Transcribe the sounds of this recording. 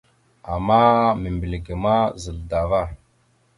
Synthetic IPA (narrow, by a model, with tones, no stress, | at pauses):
a˨ma˦mi˨mbi˨lɡə˨ma˦zə˨lda˨va˦˨